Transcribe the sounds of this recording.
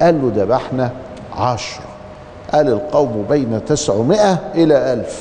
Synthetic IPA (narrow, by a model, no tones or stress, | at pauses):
ʔæːlːod̪æbaħnæ | ʕɑʃɾˤɑ | ʔæːlɪlqɑwmbejnæt̪ɪsʕmɪʔæʔɪlæʔælf